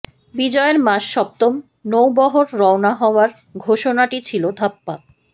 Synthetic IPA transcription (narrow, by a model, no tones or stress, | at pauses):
bid͡ʑɔeeɾmaʃʃɔp̚t̪om | nowbɔɦoɾːɔonaɦɔoaɾ | ɡʱoʃonaʈit͡ɕʰilod̪ʱapːa